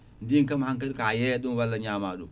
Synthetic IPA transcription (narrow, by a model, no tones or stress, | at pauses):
ndiŋkɐmhaŋk̬aɗikajeɗunwalːaɲaːmaːɗṵ